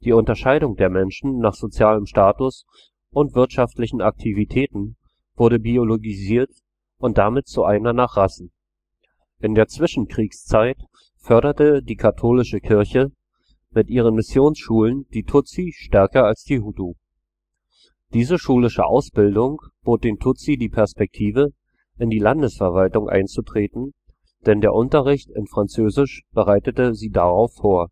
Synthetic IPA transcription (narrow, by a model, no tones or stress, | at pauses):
d̥iːʊntɐʃaɪɾʊŋdeːɐmɛnʃn̩naːχz̥ot͡sjaːləmʃtaːtʊs | ʔʊntv̥ɪɐtʃaftlɪçn̩ak̚tʰivitʰɛːtn̩ | v̥ʊɐɾəbioloɡiziːɐt | ʔʊnt̚d̥amɪt̚t͡suʔaɪnɐnaːχʁ̥asn̩ | ʔɪndeːɐt͡sv̥ɪʃn̩kʁ̥iːkst͡saɪt | fœɐɾɐtədiːkʰatʰoːlɪʃəkʰɪɐçə | mɪtʔiːʁ̞ənmɪsjoːnsʃuːlənd̥iːtʰʊt͡siʃtɛɐkɐalsd̥iːɦutu | d̥iːzəʃuːlɪʃə̰ʔa̰ʊsb̥ɪldʊŋb̥oːt̚d̥eːntʰʊt͡sidiːpʰɛɐspɛk̚tʰiːvə | ʔɪndiːlandəsfɛɐvaltʊŋʔa̰ɪnt͡sutʁ̥eːtn̩ | d̥ɛndeːɐʔʊntɐʁɪçtɪ̰nfʁ̥ant͡søːzɪʃb̥əʁaɪtətəziːdaʁaʊfoːɐ